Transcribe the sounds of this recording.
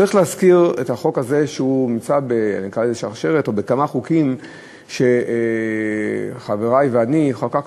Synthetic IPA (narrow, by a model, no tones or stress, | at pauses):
aʁiχleazkiʁetaχo̞kaze̞ʃeumimt͡sabea̰nikʁaezeʃaʁʃe̞ʁeto̞bekamaχukim | ʃe̞ | χaveʁajveaniχaka